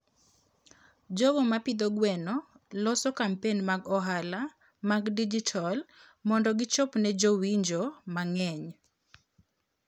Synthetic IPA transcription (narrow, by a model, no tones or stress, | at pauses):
d͡ʒɔɡɔmapid̪ɔɡwɛnɔ | lɔsɔkampenmaɡɔɦala | maɡdid͡ʒitʰɔl | mɔndɔɡɪt͡ʃɔpnɛd͡ʒowiɲd͡ʒomaŋɛɲ